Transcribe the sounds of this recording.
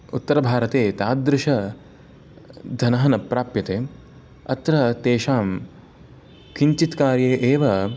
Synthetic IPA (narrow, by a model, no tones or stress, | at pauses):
ut̪ːɐɾɐbʱaːɾɐt̪eːt̪aːd̪ɾɪʃɐ | d̪ʱɐnɐɦɐnɐpɾaːpjɐt̪eːm | ɐt̪ɾɐt̪eːʃaːm | kiɲt͡ʃit̪kaːɾjeːʔeːʋɐ